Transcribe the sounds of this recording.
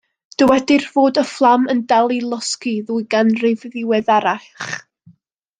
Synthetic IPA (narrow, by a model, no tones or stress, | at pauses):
d̥əwɛdɪrvoːdəflˠaməndalˠilˠɔskiðuːjɡanrɪvðɪwɛðaɾaɬχ